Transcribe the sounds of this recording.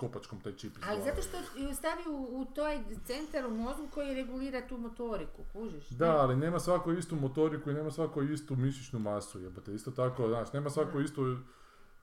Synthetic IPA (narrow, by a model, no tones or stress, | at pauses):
kopat͡ʃkomt̪ajt͡ʃipializat̪oʃt̪oust̪aʋiuːt̪ojt̪se̞nt̪aɾumo̞d̪ulˠko̞jiɾeɡuliːɾat̪uːmot̪o̞ɾikukuʒiʃd̪aaline̞ːmasʋakoist̪umot̪o̞ɾikuine̞ːmasʋakoist̪umiʃit͡ʃnumasujepat̪eist̪ot̪akoznaːʃne̞ːmasʋakoist̪o